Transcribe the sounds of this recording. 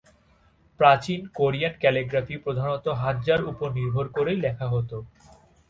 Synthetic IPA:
pɾat͡ɕinkoɾijaʈkɛleɡɾafipɾod̪ʱanot̪oɦad̪d͡ʑaɾupoɾniɾbʱoɾkoɾejlɛkʰaɦot̪o

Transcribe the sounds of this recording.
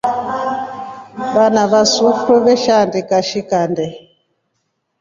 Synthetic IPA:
βanaβasufɾuβɛʃandikaʃikandɛ

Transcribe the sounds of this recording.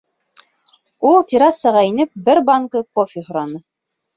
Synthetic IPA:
ulˠt̪ʲiɾɑsɤ̆ʁɑinɘp̚bɘɾbɑŋkɤkofʲihŏɾɑnɤ

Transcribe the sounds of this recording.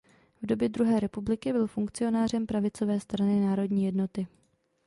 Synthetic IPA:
vdo̞bjɛd̪ɾuɦɛːɾɛpublɪkɪbɪlfuŋkt͡sɪo̞naːr̝ɛmpɾavɪt͡so̞vɛːst̪ɾanɪnaːɾo̞dɲiːjɛdno̞t̪ɪ

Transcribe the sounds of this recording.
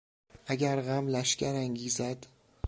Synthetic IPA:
ʔæɟæɾɣæmlæʃcæɾæŋɟiːzæd̪̥

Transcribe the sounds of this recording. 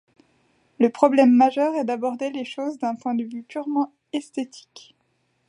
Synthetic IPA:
ləpχɔblɛmːaʒœʁɛd̪abɔʁd̪eleʃozd̪ɛ̃pwɛ̃d̪əvypyʁmɑ̃ | ɛst̪et̪ʰi̥k

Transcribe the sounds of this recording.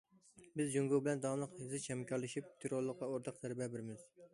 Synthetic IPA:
bɪzd͡ʒuŋɡobɪlɛnd̪ɑnlˠəqhɪzɨt͡ʃhɛmkʰɑɾlˠɨʃip̚t̪ʰeɾolˠːəqːɑoɾt̪ʰɑqt̪ʰæɾbɛbɪɾɪmɪz̥

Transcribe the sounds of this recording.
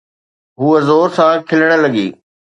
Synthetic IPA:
ɦuəzoːɾsãːkʰɪləɽ̃ə̃lɐɡḭː

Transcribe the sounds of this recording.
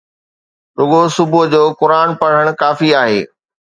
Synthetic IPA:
ɗʊɠosʊbʊd͡ʑoːkʊɾaːnpɐɽ̤əɽ̃ʊkaːfiaːɦeː

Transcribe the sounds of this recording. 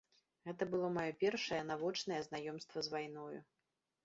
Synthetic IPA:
ɣɛt̪ɐbɨlˠɔmajɔpʲɛrʂɐjɛnavɔt͡ʂnɐjɛznajɔmst̪vɐzvajn̪ɔjṵ

